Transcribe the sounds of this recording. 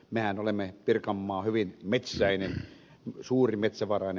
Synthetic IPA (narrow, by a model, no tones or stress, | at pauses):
mehænolemːepirkɑmːɑːhyʋinmet̪sæinen | suːrimet̪sæʋɑrɑˑin